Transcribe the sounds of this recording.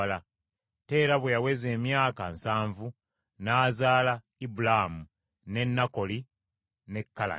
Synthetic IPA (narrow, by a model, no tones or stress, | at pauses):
la | te̞ːɾaβwejawe̞ze̞ːmjaːkansaːɱvu | naːzaːla | ibulahmu | ne̞nːako̞li | ne̞kːala̰